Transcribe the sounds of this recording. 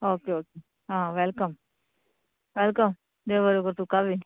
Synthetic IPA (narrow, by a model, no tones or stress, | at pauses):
oːkeoːke | ɦãːʋɛlkəm | ʋɛlkəm | d̪eʋəɾokəɾt̪ukabi